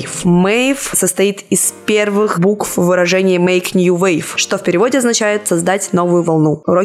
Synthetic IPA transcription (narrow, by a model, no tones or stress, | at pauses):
fmɛjfsəst̪ɐit̪ɪspʲervɨxbukfvːɨɾɐʐɛnʲɪjəmejknʲjuvejfʂt̪ofʲpʲɪɾʲɪvo̞dʲɪɐznɐt͡ɕæjɪt̪sɐzd̪atʲno̞vʊjʊvɐlˠnuɾo